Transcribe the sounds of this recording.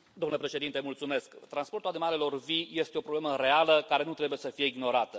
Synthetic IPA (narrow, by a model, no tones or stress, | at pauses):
d̪omnləpɾe̞ʃe̞d̪int̪emult̪sume̞skt̪ɾanspo̞rt̪ulad̪imale̞lo̞rvije̞st̪eo̞pɾoble̞məɾe̞aləkaɾe̞nut̪ɾe̞buje̞səfije̞iɡno̞ɾat̪ə